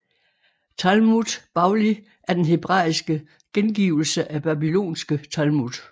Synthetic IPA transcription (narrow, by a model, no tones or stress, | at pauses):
t͡sʰælmud̥b̥ɑ̈ʊli | ʔæɐd̥enɦe̝b̥ʁɑ̰̈ːisɡ̥ə | ɡ̥enɡ̥ḭːʊ̰l̩səʔæb̥æbilo̝̰ːnsɡ̥ət͡sʰælmud̥